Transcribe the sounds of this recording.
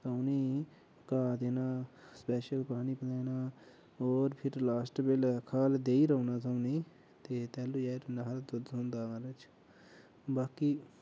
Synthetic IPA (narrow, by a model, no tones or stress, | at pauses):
səʊnĩː | kaːd̪eːnaːspɛːʃəlpaːniːpəd̪aːnaː | oːɾpʰɪɾlaːsʈbelkʰaːld̪eːiːɾəunaːsəʊniː | t̪eːt̪ɛːluːjaɾnaɦɾd̪ʊd̪ɦõnd̪aːɾət͡ʃ | baːkiː